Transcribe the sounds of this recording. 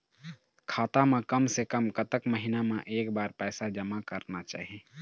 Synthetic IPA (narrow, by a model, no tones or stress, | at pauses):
kʰaːt̪amẽkəmsekəmkət̪əkməɦinamẽʔeːkbaːɾpɛːsad͡ʒəmakəɾnat͡ʃa̰ːɦie